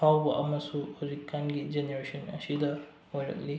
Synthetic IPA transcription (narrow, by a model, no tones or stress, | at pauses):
pʰawbɐʔɐmɐsuhɔzikʰːanɡid͡ʒeneɾesɔnɐ̰sidɐ | hojɾɐ̰k̚li